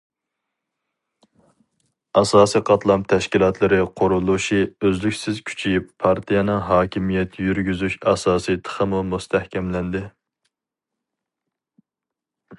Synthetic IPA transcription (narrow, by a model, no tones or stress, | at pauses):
ɑsɑːsijqʰɑt̪lˠɑmt̪ʰɛʃkʲilˠɑt̪ʰlˠɨɾɪqʰoɾulˠuʃiøzlykʲsɪzkʲʰy̥t͡ʃʰipʰɑɾt̪ʰijɛnɨŋɦɑːkʲimijɛt̪ʰjyɾɡʲyzyʃɑsɑːsit̪ʰə̥χəmumust̪ʰæhkʲʰɛmlɛnd̪ɪ